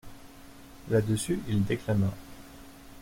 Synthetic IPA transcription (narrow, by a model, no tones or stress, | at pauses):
lad̪əsyʔild̪eklama